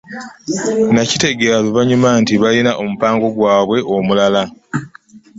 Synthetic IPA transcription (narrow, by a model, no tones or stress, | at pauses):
nacite̞ɡeɾaluβaɲumantiβalinaʔo̞mupaːŋɡo̞ɡwaːβwe̞ʔo̞mulala